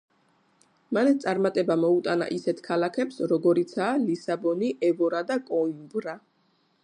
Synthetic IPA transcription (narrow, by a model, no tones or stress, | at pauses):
manɛt̪sʼaɾmat̪ʼɛbamɔut̪ʼana̰ʔisɛt̪ʰkʰalakʰɛpsɾɔɡɔɾit̪sʰaːlisabɔniʔɛvɔɾad̪akʼɔimbɾa